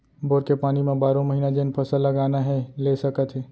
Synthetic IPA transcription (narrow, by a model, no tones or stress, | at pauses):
boːɾkepaːnimẽbaːɾõməɦiːnad͡ʒenpʰəsəlːəɡaːnaɦɛlesəkət̪ɦɛ